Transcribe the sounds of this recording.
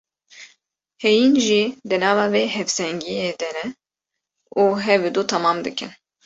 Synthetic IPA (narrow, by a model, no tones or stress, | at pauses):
hɛjinʒid̪ɨnɑːvɑːveːɦɛvsɛŋɡijed̪ɛnɛ | uːɦɛvid̪ut̪ʰɑmɑːmd̪ɨkɨ̰n